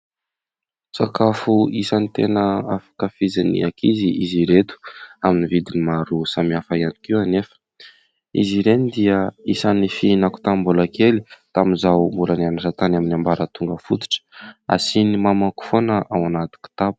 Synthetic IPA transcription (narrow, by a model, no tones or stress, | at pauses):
t͡sakafuisanit̪enəafḁkafizanḭakʰiziiziɾet̪u̥aminivid̪inimaɾusamiafaiani̥kiwanefə̥ | ḭziɾenid̪iəisanifiinaku̥t̪ambulakelit̪aminzawmbulanianaʈ͡ʂat̪anaminambaɾət̪uŋɡəfut̪u̥ʈ͡ʂə̥a̰sinimamaku̥fonəʔawanat̪i̥ki̥t̪apu̥